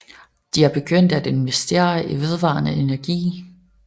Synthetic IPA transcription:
d̥iæb̥e̝ɡ̥øn̰d̥æd̥e̝nʋesd̥e̝̰ːɐʔiʋe̝ð̞ˠʋɑ̰̈ːnəe̝næɐɡ̥ḭː

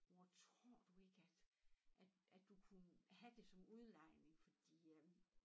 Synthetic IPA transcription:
ʋɒt͡sʰʁo̝ɐ̰d̥ue̝ɡ̥əæd̥ʔæd̥ædd̥ukʰunəhæd̥e̝sɒ̽muð̞ˠlɑ̈ɪ̰ne̝ŋfɒ̽d̥ḭː

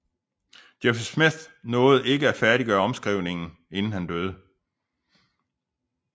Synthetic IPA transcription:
d̥efsmeθnɔ̽ːð̩ˠe̝ɡəæfæɐɾiɡ̥ɶːɐɒ̽msɡ̥ʁiʊ̰ne̝ŋn̩ | e̝nn̩hænd̥øːð̞ˠə

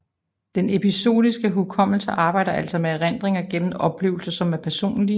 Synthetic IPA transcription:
d̥ene̝piso̝̰ːðˠisɡ̥əɦukʰɒ̽m̰l̩səʔɑ̈ːb̥ɑ̈ɪ̰ɾ̥ɐʔæl̰sɒ̽meʁen̰d̥ʁeŋɐɡ̥en̰m̩ɒ̽b̥le̝ːʊl̩sɐsɒ̽mæɐpʰæɐso̝̰ːnli

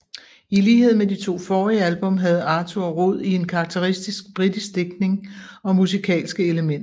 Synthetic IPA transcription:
iliːhe̝ð̞̰ˠmed̥it͡sʰo̝̰ːfɒːʁiəælb̥ɔ̽mɦæð̞̩ˠɑ̈ːt͡sʰo̝ɒ̽ʁɔð̞̰ˠie̝nkʰɑ̈ɡ̥̚t͡sʰeʁisd̥isɡ̥̚b̥ʁid̥isɡ̥d̥e̝ɡ̥̚ne̝ŋɒ̽musikʰɛ̰ːlsɡ̥əe̝ləmen̰ɐ

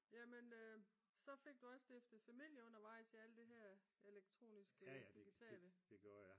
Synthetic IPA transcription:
jæmenø | sɒ̽fe̝ɡ̥̚d̥uɒ̽ssd̥efd̥ð̩ˠfæmil̰jəɔ̽n̰ɐʋɑ̈ɪ̰siæləd̥eɦæɐ̰e̝leɡ̥̚t͡sʰʁo̝̰ːnisɡ̥əd̥iɡ̥it͡sʰɛ̰ːləd̥eɡ̥j

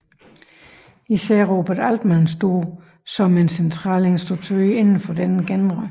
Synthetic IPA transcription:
isɛ̰ɐ̰ʁoːb̥ɐdæld̥mænsd̥o̝ː | sɒ̽me̝nsent͡sʰʁɑ̰̈ːle̝nsd̥ʁuɡ̥̚t͡sʰuie̝nn̩fɒ̽d̥enəɡ̥en̥ʁɑ

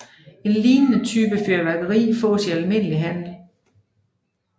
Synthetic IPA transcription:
e̝nliːnənət͡sʰyːb̥əføɐʋæɡ̥ɐʁḭːfɔ̰ːsiælme̝n̰əliɦæn̰l̩

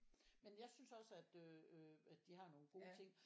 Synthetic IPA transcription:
menjɑ̈ɪsynsɒ̽səæd̥øøæd̥iɦɑ̈no̝ːn̩ɡ̥o̝ːt͡sʰe̝ŋ̰

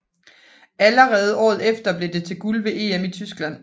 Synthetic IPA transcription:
æləʁɛːð̞̩ˠɒ̰ːð̩ˠefd̥ɐb̥le̝d̥e̝t͡sʰe̝ɡ̥ulʋe̝ʔe̝̰ːemit͡sʰysɡ̥læn̰

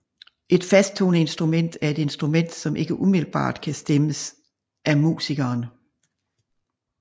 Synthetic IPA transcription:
ʔe̝d̥fæsd̥̚t͡sʰo̝ːnəe̝nsd̥ʁumen̰d̥æɐe̝d̥e̝nsd̥ʁumen̰d̥sɒ̽mʔe̝ɡ̥əʔumiðl̩b̥ɑ̰̈ːd̥kʰæsd̥eməs | ʔæmṵːsiɡ̥ɐːn

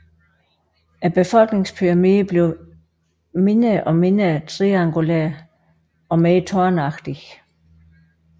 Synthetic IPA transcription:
ʔæb̥e̝fɒ̽lɡ̥ne̝ŋspʰyɐmiːb̥le̝ʊ | menəʔɒmenæt͡sʰʁiɑŋɡ̥ulæɐ | ɒ̽meːt͡sʰɒɐnɑ̈ɡ̥d̥i

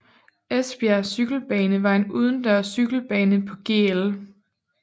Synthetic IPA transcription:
esb̥iæsyɡ̥l̩b̥ɛːnəʋɑ̈e̝nuð̞ˠən̩d̥ɶɐsyɡ̥l̩b̥ɛːnəpʰɒ̽ɡ̥e̝̰ːel

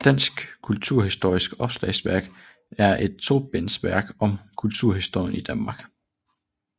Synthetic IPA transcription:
d̥æn̰sɡ̥kʰult͡sʰuɐɦisd̥o̝ɐ̰isɡ̥ɒ̽b̥slɛ̰ɪsʋæɐɡ̥ | æɐʔe̝d̥̚t͡sʰo̝̰̥ːb̥en̰sʋæɐ̰ɡ̥ɒ̽mkʰult͡sʰuɐ̰hisd̥o̝ɐ̰jənid̥ænmɑ̈ːɡ̥

